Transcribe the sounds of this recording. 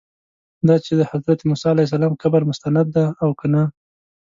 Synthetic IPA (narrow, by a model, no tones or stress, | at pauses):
d̪ɑt͡ʃed̪əhazɾat̪emʊsɑalajs̬alɑmkabaɾmʊst̪anad̪ːaːwkana